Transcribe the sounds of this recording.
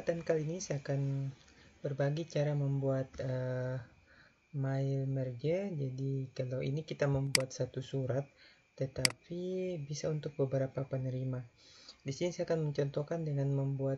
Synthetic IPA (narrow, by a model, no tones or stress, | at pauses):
t̪ankalinisaakan | bərbaɡit͡ʃaɾaməmbuat̪ə | maɪlmərd͡ʒəd͡ʒadikalawḭnikit̪aməmbuat̪̚sat̪usuɾat̪̚ː | ət̪apibisaunt̪ʊk̚bəbəɾapapənəɾimadisinisajakanməɲt͡ʃɔnt̪okandəŋanməmbuat̪